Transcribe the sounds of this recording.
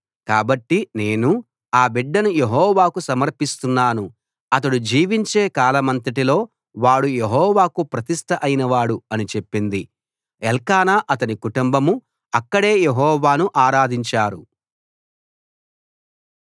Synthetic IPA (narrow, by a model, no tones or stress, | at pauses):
kaːbɐʈːine̞ːnu | aːbiɖːɐnujeɦɔːʋaːkusɐmɐɾpist̪unːaːnu | ɐt̪̬ɐɽud͡ʒiːʋiɲt͡ʃe̞ːkaːlɐmɐnt̪̬ɐʈ̬ilo̞ː | ʋaːɽujeɦɔːʋaːkupɾɐt̪ist̪ʰɐʔɐjinɐʋaːɽuɐnit͡ʃe̞pːind̪i | ɛlkaːnaːʔɐt̪ɐnikuʈumbɐmu | ɐkːɐɽe̞ːjeɦɔːʋaːnuʔaːɾaːd̪ʱiɲt͡ʃaːɾu